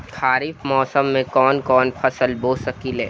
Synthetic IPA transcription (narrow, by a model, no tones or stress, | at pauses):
kaːɾifmɔːsəmːẽkɔːnkɔːnpʰɐsəlboːsəkilɦɛː